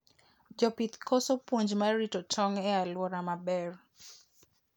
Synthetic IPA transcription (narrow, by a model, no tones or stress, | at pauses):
d͡ʒɔpit̪kɔsopwoɲd͡ʒmaɾitɔt͡ʃɔŋɛalwɔɾamabɛr